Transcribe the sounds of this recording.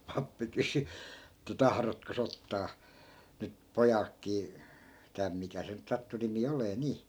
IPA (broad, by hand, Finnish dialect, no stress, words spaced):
pɑpːi kysy etːæ tɑhrotkos otːɑː nyt pojɑlkːiː tæm mikæ se nyt sɑtːu nimi oleː niː